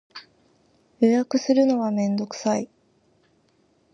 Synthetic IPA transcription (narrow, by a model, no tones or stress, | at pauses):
jojakɯ̟sɨɾɯ̟no̞βamẽ̞nd̪o̞kɯ̟̥sai